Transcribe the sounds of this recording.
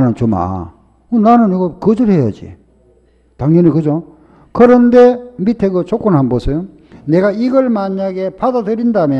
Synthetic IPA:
nɯnt͡ɕoma̰ | kɯnanɯniɡʌkɯd͡ʑɯɾɦe̞jad͡ʑḭ | taŋɲʌɲikɯd͡ʑo | kɯɾʌnde̞mitʰeɡɯt͡ɕok͈onɦanbosʰʌjo | ne̞ɡaiɡʌɭmaɲaɡe̞padadɯɾindamjʌ

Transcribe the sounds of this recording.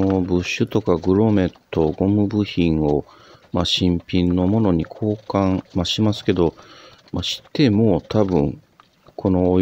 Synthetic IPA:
obɯ̟ɕːɨt̪o̞kaɡɯ̟ɾo̞me̞t̪ːo̞ɡo̞mɯ̟bɯ̟çĩɰ̃o̞ | maɕĩmpʲĩnːo̞mo̞no̞ɲ̟ikʰo̞ːkãmaɕimasɨ̥ke̞d̪o̞ | maɕi̥t̪ːe̞moːt̪ʰabɯ̟̃ŋ | kʰo̞no̞

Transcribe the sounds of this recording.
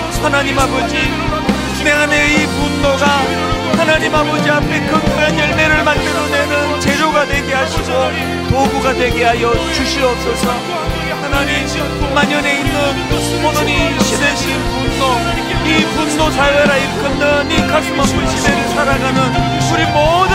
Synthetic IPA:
hanaɲimɦabʌd͡ʑi | ne̞aneipunːoɡa | hanaɲimabʌd͡ʑiapʰe̞kɯɡaɲʌɭne̞ɾɯɭmandɯɾonenɯnt͡ɕe̞ɾoɡadwe̞ɡeɦaɕʰid͡ʑʌ | poɡuɡadwe̞ɡiɦajʌt͡ɕuɕʰiʌp̚s͈ʌsʰʌ | hanaɲim | maɲʌne̞inːɯn | ponɯɲiɕʰedeɕʰiinpunːo | ipunːosʰaaɾaiɾkʰɯnːɯnikaɡmʌpɯt͡ɕʰideɾɯɭsʰaɾaɡanɯn | uɾimodɯ

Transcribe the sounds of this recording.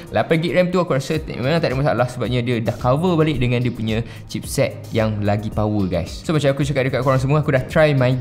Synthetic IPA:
lapanɡiʔ̚ɹɛmt̪uakuɾasət̪m̰mãnãŋt̪aʔdəʔmasa̰lahsəbap̚ɲə̃diədahkawəbalɪʔ̚dəŋãndiəpuɲã | t͡ʃip̚sɛt̪̚jaŋlaɡipawəɡa̰jssomat͡ʃamakut͡ʃakat̪̚dəkat̪̚koɾaŋs̬əmuakudaht̪ɾajmã

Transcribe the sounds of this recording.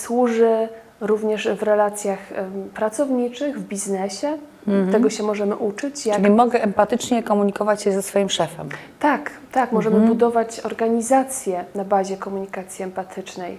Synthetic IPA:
swuʐɘ | ɾuvɲɛʂvɾɛlat̪sʲjaxpɾat̪sɔvɲit͡ʂɘɣvbʲiznɛɕɛ | t̪ɛɡɔɕɛmɔʐɛmɘ̰ʔut͡ʂɘt͡ɕjaɘlimɔɡɛʔɛmpat̪ɘt͡ʂɲɛkɔmuɲikɔvat͡ɕjɛzɛsfɔjimʂɛfɛmt̪ak | t̪akmɔʐɛmɘbud̪ɔvat͡ɕɔɾɡaɲizat̪sʲjɛnabaʑɛkɔmuɲikat̪sʲjiɛmpat̪ʰɘt͡ʂnɛj

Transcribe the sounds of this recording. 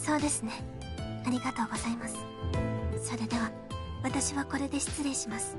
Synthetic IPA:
so̞ːd̪e̞sɨne̞ | aɾʲiɡat̪o̞ːɡo̞zaimasɨ̥ | so̞ɾe̞d̪e̞βa | βat̪aɕiβako̞ɾe̞d̪e̞ɕi̥t͡sɨɾe̞ɕimasɨ̥

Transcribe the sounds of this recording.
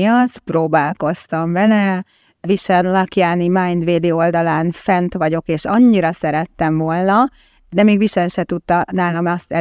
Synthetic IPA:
iɒsproːbaːlko̞st̪ɒmbɛnɛ | viʃɛnlɒkjaːnimajnd̪ʋeːd̪eold̪ɒlaːnfɛnt̪ʋɒɟo̞keːʃɒɲːiɾɒsɛɾɛt̪ːɛmvo̞lnɒ | d̪ɛmeːɡʋiʃɛnʃɛt̪ut̪ːɒnaːlɒmɛst̪ɛ

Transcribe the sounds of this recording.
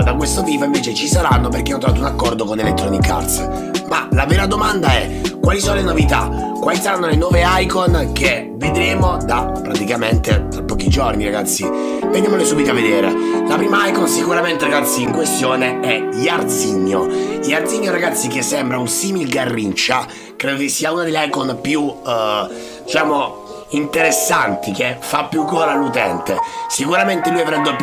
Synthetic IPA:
d̪akwest̪ot̪iːpoĩɱveːt͡ʃet͡ʃisaɾanːop̬erkeanːt̪ɾovat̪unakːɔrd̪okonelet̪ːɾɔnika̰rt̪s | malavɛːɾad̪omand̪aɛ | kːwaːlisoːnolenovit̪a̰ | kwaːlisaɾanːolenwɔːveajkonk̟e | ved̪ɾeːmod̪a | pːɾat̪ikament̪et̪ɾapːɔːkid͡ʒorniɾaɡat̪sːi | venjamolesuːbit̪oavːed̪eːɾḛlapɾiːmaajkɔnsikuɾament̪eɾaɡat̪sːiːŋkwest̪joːneɛ | ʎard̪ziɲːoʎiaɾd̪ziɲːoɾaɡat̪sːik̟esːɛmbɾaunsiːmilɡarːint͡ʃa | kɾeːd̪okesːiːaunad̪eʎːajkonpju | d̪it͡ʃaːmo | int̪eɾesːant̪ik̟efːapːjukːɔːɾalut̪ɛnt̪esikuɾament̪elujavɾɛd̪o

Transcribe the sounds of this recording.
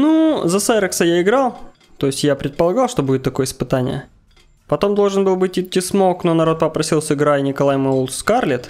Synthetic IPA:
nuzɐsɛɾəksəjaɪɡɾɑlˠ | t̪o̞jɪsʲtʲjapɾʲɪt̪̚pəlˠɐɡɑlˠʂt̪o̞budʲɪt̪ːɐko̞jəɪspɨt̪anʲɪ̰jə̰ | pɐt̪o̞md̪o̞lˠʐɨnbɨlˠbɨtʲɪtʲːɪsmoknonɐɾo̞t̪̚pəpɾɐsʲilˠsʲɪɡɾajnʲɪkɐlˠajmɨulˠsskarlʲɪt̪

